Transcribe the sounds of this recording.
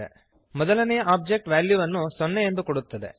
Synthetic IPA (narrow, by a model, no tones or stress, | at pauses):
e | mɔd̪ɐlɐnɛjɐaːp̚d͡ʒe̞k̚ʈʋjaːljuʋɐnːusonːejend̪ukoɽut̪ːɐd̪e